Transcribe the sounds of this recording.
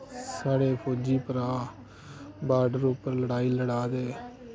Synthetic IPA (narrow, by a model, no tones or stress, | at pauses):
saːɽeːpʰoːd͡ʒiːpəɾaː | baːɖəɾʊpːəɾləɽaːiːləɽaːd̪eː